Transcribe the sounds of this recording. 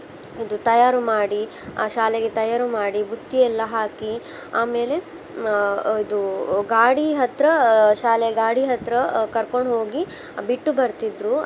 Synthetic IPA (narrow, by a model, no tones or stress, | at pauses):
id̪ut̪ɐjaːɾumaːɽi | aːʃaːleɡet̪ɐjaːɾumaːɽibut̪ːiɛlːɐɦaːki | aːmeːle̞ | id̪uɡaːɽiɦɐt̪ɾɐʃaːleɡaːɽiɦɐt̪ɾɐkɐɾko̞ɳɖɦo̞ːɡi | biʈːubɐɾt̪id̪ɾu